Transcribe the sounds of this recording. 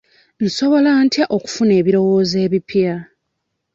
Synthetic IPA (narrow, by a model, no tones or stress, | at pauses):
n̩so̞βo̞lantʰjaʔo̞ku̥fune̞ːβiɾo̞woːze̞ːβipja